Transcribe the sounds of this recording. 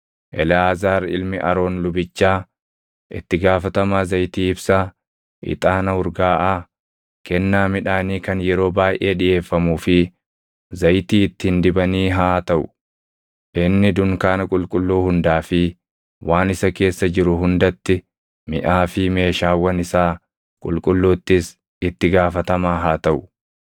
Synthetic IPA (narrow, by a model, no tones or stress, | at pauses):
ʔɛlɛaːzaːɾɪ̰lmɪʔɐ̰ɾo̞ːnlʊbɪt͡ʃːaː | ʔɪ̰t̪ːɪɡaːfɐt̪ɐmaːzɐjt̪iːɪbsaː | ʔɪ̰t̪ʼaːnɐʊɾɡaːʔaː | kɛnːaːmɪᶑaːniːkɐnjɛɾo̞ːbaːjʔe̞ːᶑɪje̞ːfːɐmuːfɪ | zɐjt̪iːɪt̪ːɪhɪnd̪ɪbɐniːɦaːt̪ɐʔʊ | ʔɪnːɪd̪ʊŋkaːnɐkʼʊlkʼʊlːuːhʊnd̪aːfɪ | wʔaːnɪsɐke̞ːsːɐd͡ʒɪɾʊɦʊnd̪ɐt̪ːɪ | mɪ̰ʔaːfɪme̞ːʃaːwɐnɪsaː | kʼʊ̰lkʼʊlːuːt̪ːɪs | ɪt̪ːɪɡaːfɐt̪ɐmaːɦaːt̪ɐʔʊ̥